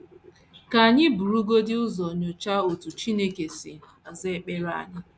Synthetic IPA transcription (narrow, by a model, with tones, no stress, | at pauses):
ka˨a˨ɲɪ˦bu˨ɾu˦ɡo˦dɪ˦ʊ˦zɔ˨ɲo˨t͡ʃa˦o˨tu˨t͡ʃi˦ne˦ke˨sɪ̰˨ | a˨ze˦k͡pe˦ɾa̰˦˨ɲɪ˦